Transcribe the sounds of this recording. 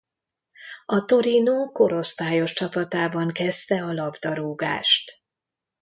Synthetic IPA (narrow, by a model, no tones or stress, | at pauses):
ɒt̪o̞ɾinoːko̞ɾo̞st̪aːjo̞ʃt͡ʃɒpɒt̪aːbɒŋkɛst̪ɛɒlɒbd̪ɒɾuːɡa̰ːʃt̪